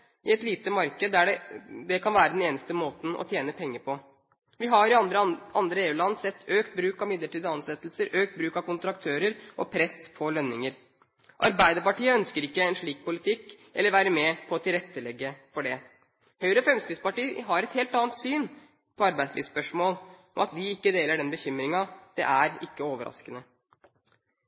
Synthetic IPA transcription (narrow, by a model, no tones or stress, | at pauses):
ɪɛt̪liːt̪əmɑɾkəd̪æɖɛd̪ɛkʰɑnʋæːɾəd̪ɛneːnəst̪əmoːt̪n̩ɔ̰t̪ʰjeːnəpʰɛŋːəpʰɔ | ʋɪɦɑɾɪɑɾəʔɑnd̪ɾəeːʉːlɑnːsɛt̪ːøːkt̪̚bɾʉːkɑmɪd̪ləʈiːd̪ɑnsɛt̪ːlsəɾøːk̚t̪̚bɾʉːkɑkʊnt̪ɾɑk̚t̪ʰøːɾəɾʔɔ̰pʰɾɛspʰɔlœnːɪŋəɾ | ʔɑɾbæɪd̪əɾpɑʈiːəœnskəɾɪkːəɛnʂɭiːk̚pʰʊlɪt̪ʰɪkː | ʔɛ̰lːəɾʋæːɾəmɛpʰɔɔt̪ʰɪlɾɛt̪ːəlɛɡːəfɔɖɛ | hœʏəɾəfɾɛmskɾɪt̪spɑʈiːɦɑɾɛt̪heːlt̪ɑːnt̪syːn | pʰɔɑɾbæɪslḭːʋspœʂmoːlɔ̰mɑt̪d̪ɪɪkːəd̪eːləɖɛnbəçʏmɾɪŋɑd̪̥ɛ̰ʔæɾɪkːəoːʋəɾɑ̰skənə